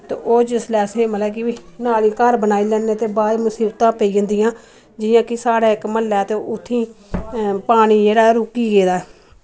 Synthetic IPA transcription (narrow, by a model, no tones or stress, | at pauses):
t̪ḛʔoːd͡ʒɪslɛːsẽːməlɛːkɪʋiːnaːlĩːkəɾbənaːiːlɛːnːeːt̪eːbaːimʊsiːbt̪ãːpəiːə̃nd̪ɪjãː | d͡ʒɪjãːkɪsaːɽaːɪkməlːɛːt̪eːʊt̪ʰːĩː | paːɽ̃iːd͡ʒeːɽaːɾʊkːiːɡeːd̪aːɛː